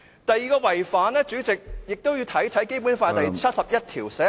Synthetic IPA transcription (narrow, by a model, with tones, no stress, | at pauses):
t̪ɐ˨˧jːiː˨˧kɔː˧wɐ˨˩jfaː˨˥nlɛː˥t͡ʃyː˨˥t͡sɪ˨k̚jɪ˨k̚t̪o˥wjiː˧wt̪ʰɐ˨˥jt̪ʰɐ˨˥jke˥jp̬uː˨˥nfaː˧jt̪ɐ˨jt͡ʃʰɐ˥t̚sɐ˨p̚jɐ˥t̚t̪ʰiː˨˩wsɛː˨˦˥